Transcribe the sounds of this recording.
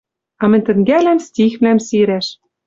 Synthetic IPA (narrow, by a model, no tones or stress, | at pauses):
ɑmɘ̆nʲt̪ɘ̆ŋɡælæmst̪ʲixvlæmsiɾæʃ